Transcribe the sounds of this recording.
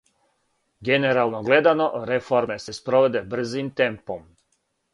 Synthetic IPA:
ɡe̞neɾalˠnoɡle̞d̪ano̞ɾe̞foɾme̞se̞spɾoʋed̪e̞br̩zimt̪e̞mpo̞m

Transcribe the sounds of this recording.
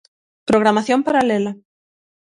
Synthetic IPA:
pɾoɣɾamaθjompaɾalela

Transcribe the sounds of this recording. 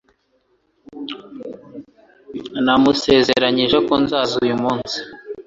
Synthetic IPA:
namuse̞zeɾaɲiʒeko̞nzaːzujumuːnsi̥

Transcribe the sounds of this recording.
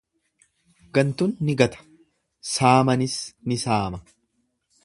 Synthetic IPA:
ɡɐnt̪ʊnːɪɡɐt̪ɐ̥ | saːmɐnɪsnɪsaːmɐ

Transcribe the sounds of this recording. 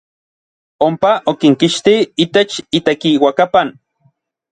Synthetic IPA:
ompaʔokiŋkiʃt̪iit̪et͡ʃit̪ekiwakapan

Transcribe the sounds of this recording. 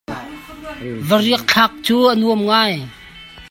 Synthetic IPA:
vəriək̚t͡ɬʰak̚t͡suːʔənuəmŋaj

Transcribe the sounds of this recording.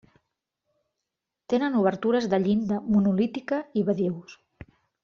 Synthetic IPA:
t̪enənuβ̞əɾt̪uɾəzðəʎind̪əmunulit̪ikəiβəðiws

